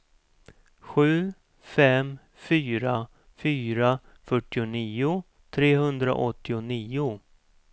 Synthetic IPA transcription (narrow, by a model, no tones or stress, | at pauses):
ɧʉ̟ː | fɛm | fyːɾa | fyːɾa | fœʈːɪʊniːʊ | t̪ʰɾeːɦɵnd̪ɾa̰ʔɔt̪ːɪʊniːʊ